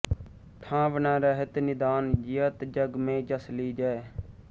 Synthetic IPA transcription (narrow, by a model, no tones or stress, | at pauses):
ʈʰãːʋənãːɾəɦət̪nɪd̪aːnjɪjət̪d͡ʒəɡmẽːd͡ʒəsliːd͡ʒae